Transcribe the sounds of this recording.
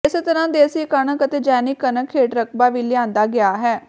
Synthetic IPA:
ɪset̪əɾãːd̪eːəsiːkəɳəkət̪eːd͡ʒɛːniːkənəkʰːeːʈɾəkʰbaːʋiːlɪãːnd̪aːɡɪaːɦɛː

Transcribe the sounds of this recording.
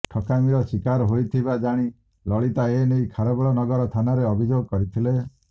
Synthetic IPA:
ʈʰɔkamiɾɔsikaɾɔɦojt̪ʰibad͡ʒaɽ̃i | lɔɭit̪aenejkʰaɾɔbɔɭɔnɔɡɔɾɔt̪ʰanaɾeɔbʱid͡ʒoɡɔkɔɾit̪ʰile

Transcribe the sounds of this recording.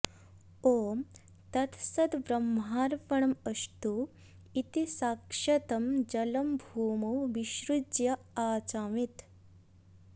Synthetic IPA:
oː | t̪ɐt̪sɐd̪ʋɾɐmɦaːɾpɐɳɐmɐst̪u | it̪isaːkʂɐt̪ɐmd͡ʒɐlɐmbʱuːmɐwʋiʃɾud͡ʒjɐ | aːt͡ʃaːʋit̪

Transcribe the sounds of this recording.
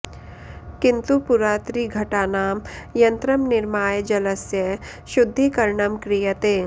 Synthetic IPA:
kɪ̃nt̪upʊɾaːt̪ɾiɡʱɐʈaːnaːmjɐ̃nt̪ɾəmnɪɾmaːjd͡ʒɐləsjə | ʃʊd̪ʱːikɐɾɳəmkɾijət̪eː

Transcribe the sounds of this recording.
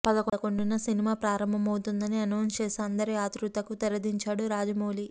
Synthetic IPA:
pɐd̪ɐkoɐko̞ɳɖunɐsinimaːpɾaːɾɐmbʱɐmɐwut̪und̪ɐniɐnoːnt͡ʃeːseɐnd̪ɐɾiaːt̪ɾut̪ɐkut̪ɐɾɐd̪iɲt͡ʃaːɽuɾaːd͡ʒɐmoːli

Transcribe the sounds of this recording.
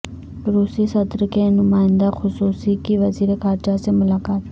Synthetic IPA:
ɾuːsisɐt̪ɾəkenʊmaːɪ̃nd̪axʊsuːsikiʋɐziːɾekʰaːɾd͡ʒasemʊlaːkaːt̪

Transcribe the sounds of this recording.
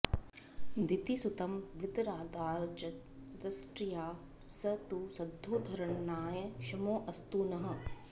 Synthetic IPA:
d̪it̪isut̪ɐmʋɪd̪ɾaːd̪aːɾt͡ʃɐ | ɾɐsʈɾijaː | sɐt̪usɐd̪ʱːoːd̪ʱɐɾɐɳnaːjɐʃɐmoːʔɐst̪uːnɐɦɐ̆

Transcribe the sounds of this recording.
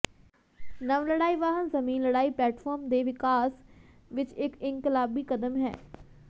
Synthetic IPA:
nəʋləɽaːiːʋaːɦənzəmĩːnləɽaːiːplɛːʈfʰɔːɾmd̪eːʋɪkaːs | ʋɪt͡ʃɪkɪ̃ŋkɪlaːbiːkəd̪əmɦɛ̰ː

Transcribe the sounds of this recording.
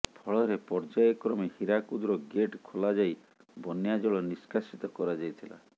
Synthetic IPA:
pʰɔɭɔɾepɔɾd͡ʒajɔkɾɔmehiɾakud̪uɾɔɡeʈkʰolad͡ʒaj | bɔnjad͡ʒɔɭɔniskasit̪ɔkɔɾad͡ʒajt̪ʰila̰

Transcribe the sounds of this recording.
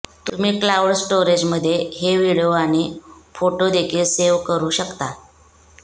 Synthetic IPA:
t̪um̤iːklawɽsʈoɾed͡ʑməd̪ʱːjeɦeʋiɭoaɽ̃ifoʈod̪ekʰiːlseʋkəɾuːɕəkt̪a

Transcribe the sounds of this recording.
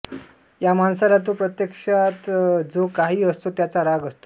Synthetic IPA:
jamansalat̪̬opɾət̪jekʂat̪d͡zokaɦiːəst̪ot̪jat͡saɾaɡəst̪o̥

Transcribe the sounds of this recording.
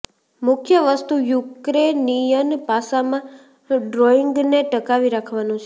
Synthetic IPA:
mʊkʰjəʋəst̪ujukɾenijənpasamã | ɖɾoiŋɡneʈəkaʋiɾakʰʋanũt͡ʃʰe

